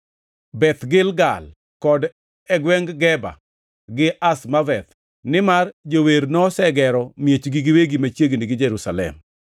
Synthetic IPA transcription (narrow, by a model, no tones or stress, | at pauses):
bɛt̪ɡɪlɡal | kɔd | ɛɡwɛŋɡɡɛba̰ | ɡɪasmavɛt̪ | nɪmard͡ʒoweɾnɔsɛɡɛɾɔmjet͡ʃɡiɡɪweɡimat͡ʃjeɡnɪɡɪd͡ʒɛɾusalɛ̰m